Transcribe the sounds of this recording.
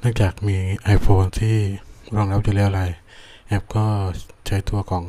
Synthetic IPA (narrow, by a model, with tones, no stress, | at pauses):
nɯ˥˩əŋt͡ɕaː˨˩k̚miː˧ʔa˧jpʰoː˧nt̪ʰiː˥˩ɾɔː˧˩ŋɾa˦˥p̚ju˨˩lɛː˦˥ʔa˧a˧j | ʔɛ˦˥p̚kɔː˥˩t͡ɕʰa˦˥jt̪ʰu˧ɐkʰɔː˩˦ŋ